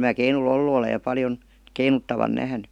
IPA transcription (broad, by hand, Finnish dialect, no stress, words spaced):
mæː keinul olːu olej jɑ pɑljon keinutːɑʋɑn næhny